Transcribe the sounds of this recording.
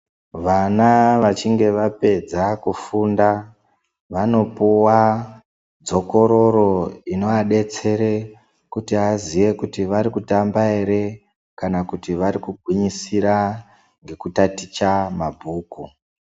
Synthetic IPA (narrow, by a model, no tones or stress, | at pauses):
ʋanaʋat͡ʃiŋɡe̞ʋape̞d͡zakufunda | ʋano̞puwa | d͡zo̞ko̞ɾo̞ɾo̞ino̞aɗe̞t͡se̞ɾe | kutiaziʋe̞kutiʋaɾikutambaeɾe̞ | kanakutiʋaɾikuɡʱwiɲisiɾa | ŋɡe̞kutatit͡ʃamabʱuːku